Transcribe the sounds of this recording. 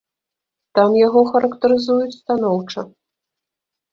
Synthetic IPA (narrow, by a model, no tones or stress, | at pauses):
t̪amjaɣɔxɐɾɐkt̪ɐɾɨzujut͡sʲst̪anɔwt͡ʂɐ